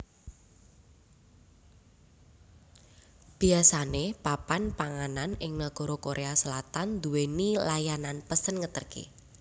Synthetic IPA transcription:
b̥i̤asanepapanpaŋananɪŋnaɡ̥ɔ̤ɾokoɾʔeasəlat̪and̪uwenilajananpəsənŋət̪ərkḛ

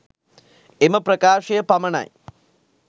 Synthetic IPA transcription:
emɐpɾɐkaːʂɐjɐpɐmɐɳa̰j

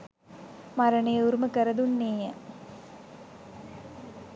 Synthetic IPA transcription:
maɾəɳejuɾuməkəɾəd̪unːeːjə

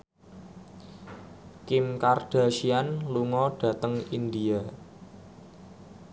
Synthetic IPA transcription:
kɪmkard̥a̤ʃianluŋɔɖ̥ä̤t̪əŋind̪ia

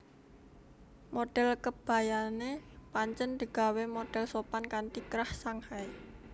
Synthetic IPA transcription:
moɖ̥ɛ̤lkəb̥a̤janepaɲt͡ʃənd̪̥ə̤ɡ̥a̤wemoɖ̥ɛ̤lsopankant̪ikɾahsaŋhai

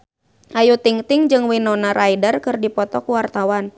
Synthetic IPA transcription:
ʔajut̪iŋt̪ɪŋd͡ʒɨŋwinɔnaɾʔaidərkɨrdipɔt̪ɔkuwart̪awan

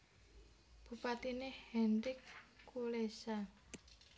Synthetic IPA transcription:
b̥ṳpat̪inɪhhɛnɾɪkːulesa

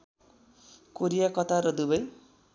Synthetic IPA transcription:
koɾijakʌt̪ʰaɾʌd̪ubʌj

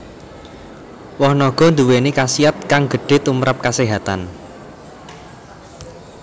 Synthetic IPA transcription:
wɔhnɔɡ̥ɔ̤nd̪uwenikasiat̪̚kaŋɡə̤ɖ̥e̤t̪umɾap̚kaseɦat̪an

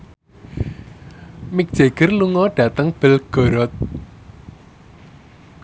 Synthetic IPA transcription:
mɪk̚d̥ʒ̥e̤ɡ̥ərluŋɔɖ̥ä̤t̪əŋb̥əlɡ̥ɔ̤ɾɔt̪̚

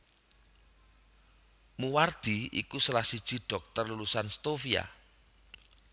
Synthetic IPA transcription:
muward̪̥i̤ḭkusəlahsid̥ʒ̥i̤ɖ̥ɔ̤k̚t̪ərlulusanst̪ofia̰

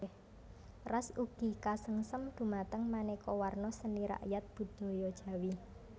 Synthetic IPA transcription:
h | rasuɡ̥ikasəŋsəmd̪̥ṳmat̪əŋmanekɔwarnɔsəniɾa̰ʔjat̪̚b̥ṳd̪̥ɔ̤jɔd̥ʒ̥ä̤wi

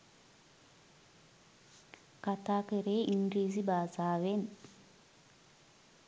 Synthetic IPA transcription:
kat̪aːkeɾeːʔiŋɡɾiːzibaːzaːʋen

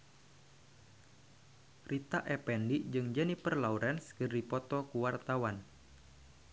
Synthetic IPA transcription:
rʔit̪aʔɛpɛndiʔd͡ʒɨŋd͡ʒɛnipərlauɾɛnskɨrdipɔt̪ɔkuwart̪awan

